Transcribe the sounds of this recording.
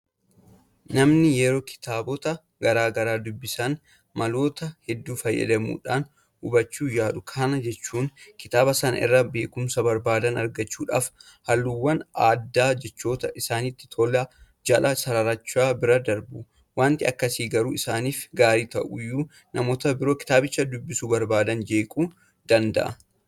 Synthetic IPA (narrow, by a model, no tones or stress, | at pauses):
nɐmnɪjɛɾoːkʰɪ̥t̪aːbɔt̪ɐ | ɡɐɾaːɡɐɾaːd̪ʊbːɪsɐn | mɐlo̞ːt̪ɐhɛd̪ːuːfɐjːɐ̰d̪ɐmṵːᶑaːn | ʊbɐt͡ʃːuːjaːᶑʊkʰaːnɐd͡ʒɛt͡ʃːuːŋkɪt̪aːbɐsɐnɐ̰ʔɪ̰rːɐbe̞ːkʊmsɐbɐɾbaːd̪ɐnɐɾɡɐt͡ʃːuːᶑa̰ːf | hɐlːuwːɐnaːd̪ːaːd͡ʒɛt͡ʃːo̞ːt̪ɐʔɪsaːnɪt̪ːɪ̥t̪ʰola | d͡ʒɐlʔɐsɐɾɐɾɐt͡ʃːaːbɪɾɐd̪ɐɾbʊ | waːnt̪ɪɐkːɐsiːɡɐɾuːɪsaːniːfɡaːɾiːt̪ɐ̰ʔʊjːuː | nɐmoːt̪ɐbɪɾo̞ːkɪ̥t̪aːbɪt͡ʃːɐd̪ʊbːɪsuːbɐɾbaːd̪ɐnd͡ʒe̞ːkʼuː | d̪̥ɐnd̪ɐ̰ʔɐ